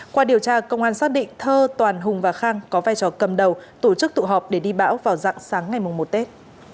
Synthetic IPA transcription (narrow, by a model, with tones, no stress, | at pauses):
kwaː˧ɗi˨˩əwt͡ɕaː˧kə˧wŋ͡mʔaː˧˩nsaː˦˥k̚ɗḭ˧˨ŋ̟t̪ʰəː˧t̪waː˨˩nɦʊ˨˩ŋ͡mvaː˨˩xaː˧ŋkɔ˨˦vaː˧jt͡ɕɔ˨˩kə˨˩mɗə˨˩wt̪o˧˩t͡ɕɨ˦˥k̚t̪ṵ˧˨ɦɔ˨˩p̚ɗe˧˩ɗi˧ɓa̰ː˧˥wvaː˨˩wza̰ː˧˨ŋsaː˨˦ŋːa˨˩jmʊ˨˩ŋ͡mmo˨˩t̚t̪e˦˥t̚